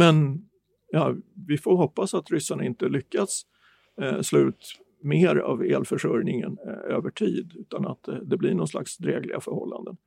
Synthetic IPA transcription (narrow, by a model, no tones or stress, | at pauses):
mɛn | jɑːvɪfoɾɦɔpːasat̪ɾʏsːaɳaɪnt̪əlʏkːat̪s | slʉ̟ːt̪ | meːɾa̰veːlfœʂœɾnɪŋənøːvəʈʰiːd̪ʉ̟ːt̪anat̪d̪ɛblɪɳɔnsla̰ksd̪ɾeːɡlɪɡafœɾhɔ̰lːa̰nd̪ən